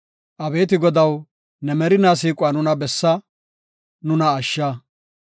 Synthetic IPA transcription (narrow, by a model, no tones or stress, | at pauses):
ʔɐbe̞ːt̪ɪɡɔd̪ɐw | nɛmɛɾɪnaːs̬iːkʼʊaːnʊnɐbɛsːɐ | nʊnɐːʃːɐ